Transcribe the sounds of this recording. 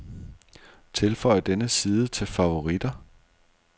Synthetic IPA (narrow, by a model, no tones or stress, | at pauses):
t͡sʰe̝lfɒ̽ɪ̰d̥enəsiːðˠət͡sʰe̝lfɑ̈ʋo̝ʁid̥ɐ